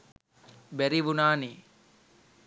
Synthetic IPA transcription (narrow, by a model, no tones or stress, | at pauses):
bɛɾiʋunaːniː